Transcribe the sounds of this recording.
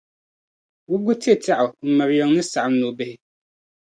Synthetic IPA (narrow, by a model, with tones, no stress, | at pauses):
wʊ˦ɡʊ˦ti˦e˨tʰɛ˦ʔʊ˨m̩˨ma˨ɾjɔ˨ŋnɨ˦sa˨ʔm˦no˨bɪ˦hɪ˦